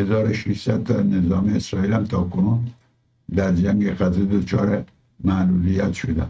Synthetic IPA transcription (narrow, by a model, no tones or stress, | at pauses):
hezɒːɾoʃiʃsæd̪̚t̪ɑnezɒːmiesɾɒːiːlæmt̪ʰɒːkʰonuːn | d̪æɾd͡ʒæŋɡeɣæzed̪ot͡ʃʰɒːɾe | mæluːlijæt̪ʃod̪æ̰n